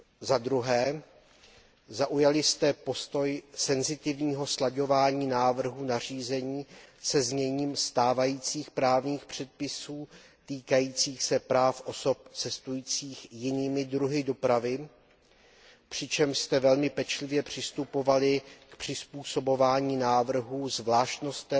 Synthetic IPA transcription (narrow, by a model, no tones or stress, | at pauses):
zad̪ɾuɦɛː | zaʔujalɪst̪ɛpo̞st̪o̞jsɛnzɪt̪ɪvɲiːɦo̞slaɟo̞vaːɲiːnaːvr̩ɦunar̝iːzɛɲiːsɛzɲɛɲiːmst̪aːvajiːt͡siːxpɾaːvɲiːxpr̝̥ɛt̪̚pɪsuː | t̪iːkajiːt͡siːxsɛpɾaːfʔo̞so̞p̚t͡sɛst̪ujiːt͡siːxjɪniːmɪdɾuɦɪdo̞pɾavɪ | pr̝̥ɪt͡ʃɛmʃst̪ɛvɛlmɪpɛt͡ʃlɪvjɛpr̝̥ɪst̪upo̞valɪkpr̝̥ɪspuːso̞bo̞vaːɲiːnaːvr̩ɦuːzvlaːʃt̪no̞st̪ɛ